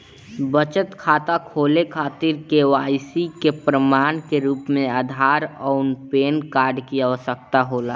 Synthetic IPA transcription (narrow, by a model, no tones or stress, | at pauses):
bət͡ʃət̪kʰaːt̪akʰoːlekʰaːt̪ɪɾkewaːjsikepɾəmaːnkeɾuːpmẽaːd̪ʱaːɾɔːʊnpeːnkaːɾɖkiaʋəsək̚t̪aɦoːlaː